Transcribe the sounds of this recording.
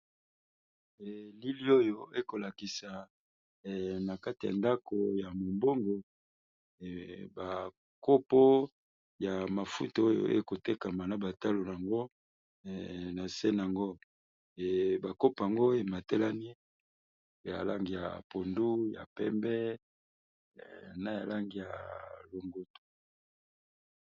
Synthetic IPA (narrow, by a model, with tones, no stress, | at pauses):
e˨li˦li˦o˦jo˨e˦ko˨la˨ki˨sa˨ | na˨ka˦ti˨a̰˨nda˦ko˨ja˨mo˨mbo˦ŋɡo˨ | ba˨ | ko˦po˦ | ja˨ma˨fṵ˦tu˨˦o˦jo̰˨ʔḛ˦ko˨te˦ka˨ma˨na˨ba˨ta˦lo˨n˨a˨ŋɡo˦˨ | na˨sɛ˦n˨a˨ŋɡo˦˨ | ba˨ko˦pa˨ŋɡo˦e˨ma˨te˦la˦ni˦ | ja̰˨la˦ŋɡi˨ja̰˨po˨ndu˦ja̰˨pɛ˦mbɛ˦˨ | na˨ja˨la˦ŋɡi˨ja̰˨lo˨ŋɡo˨to̥˨